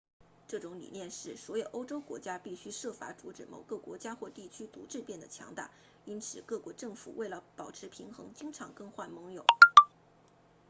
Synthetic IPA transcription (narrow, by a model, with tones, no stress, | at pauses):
ʈ͡ʂɤ˥˩ʈ͡ʂʊ˧˥ŋlḭ˨˩njɛ˥˧nʂɻ̩˥˩swɔ˧˥jo˨˩ʊʔo˥ʊʈ͡ʂo˥ʊkwɔ̰˧˥t͡ɕja˥pi˥˩ɕy˥ʂɤ˥˩fa̰˧˥t͡su˧˥ʈ͡ʂɻ̩˧˩mo˨˩ʊɡə˧˩kwɔ̰˧˥t͡ɕja˥xwɔ˥˧t̪i˥˩t͡ɕʰy˥t̪ṵ˧˥ʈ͡ʂɻ̩˥˧pjɛ˥˩nd̪ə˩t͡ɕʰjɑ̰˧˥ŋt̪a̰˥˩ | i˥nt͡sʰɹ̩˨˩kɤ˥˩kwɔ˧˥ʈ͡ʂɤ˥˩ŋfṵ˨˩we˥˩ɪlə˩pɑ˨˩ʊʈ͡ʂʰɻ̩˧˥pʰi˧˥ŋxɤ̰˧˥ŋt͡ɕi˥ŋʈ͡ʂʰɑ˧˥ŋkɤ˥˧ŋxwa˥˩nmɤ˧˥ŋjo˨˩˦ʊ